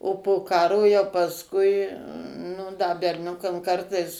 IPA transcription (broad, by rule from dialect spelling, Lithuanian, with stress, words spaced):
oː poː ˈkɑːroː jɛʊ pɐsˈkʊɪ nʊ dɐ bʲɛrʲˈnʲʊkɐm ˈkɐrtɐɪs